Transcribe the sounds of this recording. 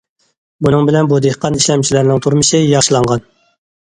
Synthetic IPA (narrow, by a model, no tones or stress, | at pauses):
bunɨŋbɪlɛnbud̪eqʰːɑniʃlɛmt͡ʃʰilæɾnɪŋt̪ʰuɾmɨʃɨjɑʃlˠɑɴʁɑn